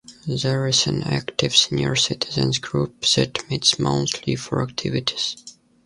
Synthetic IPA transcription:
ðəɹɪzɨ̰̃næ̰ktɪv̥sɛnjɔɹsɪtʰɪzə̰̃nsɡɹupðɨtmɪtsmõ̰ʊ̃ntʰlifəɹæk̚tʰɪvɪtʰi̥z̥

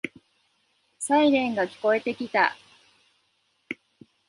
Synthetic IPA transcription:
saiɾẽ̞ŋɡakʲi̥ko̞e̞t̪e̞kʲit̪a̰

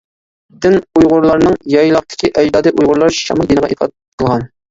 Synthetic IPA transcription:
d̪ɪnujʁʊɾlˠɑɾnɨŋjɑjlˠɑq̚t̪ʰɪ̥kʲiʔɛd͡ʒd̪ɑːd̪ɨʔujʁʊɾlˠɑɾʃɑ̰mɑd̪enəʁɑ̰ʔit̪ʰɑ̰d̪ʰəlˠʁɑn

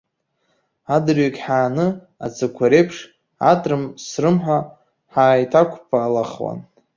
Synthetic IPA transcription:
adɨrɥikʲʼħaːnɨ | a̰t͡sʰɨkʷʰaɾejpʰʂ | a̰tʼrɨmsrɨmħʷa | ħaːjtʰakʷʰpʰaːlaχwa̰n

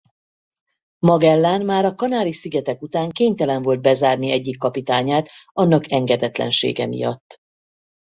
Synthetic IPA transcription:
mɒɡɛlːaːnmaːɾɒkɒnaːɾisiɡɛt̪ɛkut̪aːŋkeːɲt̪ɛlɛɱvold̪̚bɛzaːrniɛɟːikːɒpit̪aːɲaːt̪ɒnːɒkʰɛŋɡɛd̪ɛt̪lɛ̰nʃḛːɡɛ̰mḭjɒ̰t̪ː

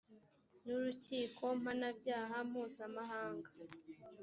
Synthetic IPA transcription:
nuɾuciːkʰo̞m̥hanabɟaːɦam̥uːzamaɦaːŋɡa

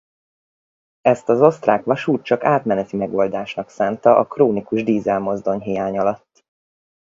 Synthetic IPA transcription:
ɛst̪ɒzo̞st̪raːkʋɒʃuːt̪̚t͡ʃɒkaːt̪mɛnɛt̪imɛɡo̞ld̪aːʃnɒksaːnt̪ɒʔɒkroːnikuʒd̪iːzɛlmo̞zd̪o̞ɲɦijaːɲɒlɒt̪ː

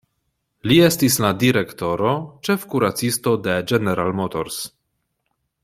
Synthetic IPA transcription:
lie̞stisladiɾekto̞ɾo̞t͡ʃe̞fkuɾat͡sistode̞d͡ʒeneɾalmotoɾs

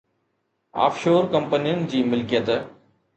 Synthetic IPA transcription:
a̰ːfʃoːɾkɐ̃mpənijʊnɪ̆d͡ʑiːmɪlkijət̪

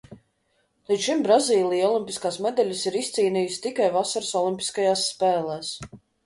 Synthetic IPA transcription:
lˠitt͡ʃ̪ʃimbɾaziːlˠijɔlˠimʲpʲiskaːsmɛd̪ɛlʲɪsiɾist̪siːniːjust̪ikajvasaɾsɔlˠimʲpʲi̥skajaːsːpɛːlˠɛːs

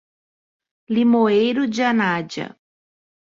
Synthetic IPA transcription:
limoejɾʊd͡ʒɪanad͡ʒɐ̰

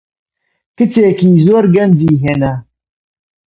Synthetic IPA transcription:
kɨt͡sʰeːkiːzoːɾɡɐnd͡ʒiːɦeːnɛ

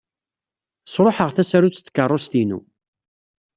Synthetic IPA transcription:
sɾˤoħəʁθæsæɾut͡st̪ːkːərˤːost̪inṵ

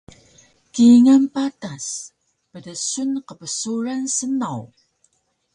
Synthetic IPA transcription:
kiŋampatas | pədəsunqəpəsuɾansənaw

